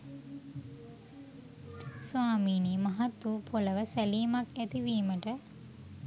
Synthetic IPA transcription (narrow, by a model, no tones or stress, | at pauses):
sʋaːmiːniːmaɦat̪ːupʰoləʋəsæliːmakæt̪iʋiːməʈə